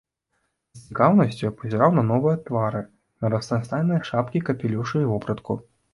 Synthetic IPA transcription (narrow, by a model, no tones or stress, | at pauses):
z̥t͡sʲikawnɐsʲt͡sʲupɐzʲɛɾawnɐnɔvɨjɛt̪vaɾɨ | nɐɾɐst̪st̪ajʲnɨjɐʂapkʲikɐpʲɛlʲuwʂɨjvɔpɾɐt̪kṵ